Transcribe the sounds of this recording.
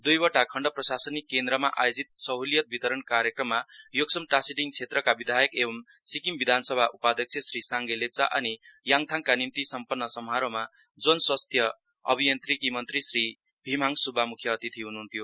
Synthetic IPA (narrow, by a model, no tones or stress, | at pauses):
d̪ujbʌʈakʰʌɳɖʌprʌsasʌnikːend̪ɾʌma̰ʔa̰jod͡zit̪̚sʌɦolijʌt̪̚bit̪ʌɾʌnkaɾjʌkrʌmːajoksʌmʈasiɖiŋt͡sʰet̪rʌkabid̪ʱajʌkebʌm | sikimbid̪ʱansʌbʱaʔupad̪ʱʌk̚t͡sʰjʌsrisaŋɡelep̚t͡sa̰ʔʌnijaŋt̪ʰaŋkanimt̪isʌmpʌnːʌsʌmʱɦaɾoma | d͡zonswʌst̪ʰjʌ | ʌ̰bʱijʌnt̪rikimʌnt̪risri | bʱimaŋsubʱamukʰjʌːt̪it̪ʰiɦunuɦunt̪ʰjo